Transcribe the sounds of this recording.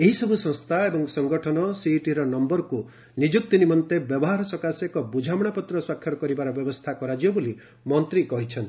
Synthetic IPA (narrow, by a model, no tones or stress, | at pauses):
eɦisɔbʱusɔ̃ŋst̪ʰaebɔŋsɔŋɡɔʈʰɔnɔsiʈiɾɔnɔmbɔɾku | nid͡ʒuk̚t̪inimɔnt̪ebjɔbɔɦaɾɔsɔkasekɔbud͡ʒʱamɔɽ̃apɔt̪ɾɔswakʰːjɔɾɔkɔɾibaɾɔbjɔbɔst̪ʰakɔɾad͡ʒiɔboli | mɔnt̪ɾikɔɦit͡ʃʰɔnt̪i